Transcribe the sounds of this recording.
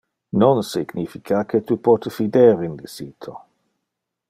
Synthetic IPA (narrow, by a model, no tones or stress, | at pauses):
nonsiɡ̥nifikʰakʰet̪upɔt̪əfid̪eɾinlisiːt̪ʰo